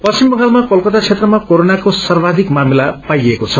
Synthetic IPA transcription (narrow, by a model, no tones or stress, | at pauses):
pʌst͡simbʌŋɡalmakʌlkʌt̪at͡sʰet̪rʌmakoɾonakosʌrbad̪ʱikmamilapajekot͡sʰʌ